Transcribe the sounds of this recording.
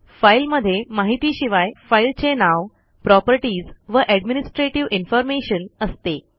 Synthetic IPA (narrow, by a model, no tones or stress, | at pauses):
failməd̪ʱːjemaɦit̪iːɕiʋajfailt͡ɕenaʋ | pɾɔpəɾʈiːd͡zʋəʔæɖminisʈɾeʈiʋinfɔɾmeɕənəst̪e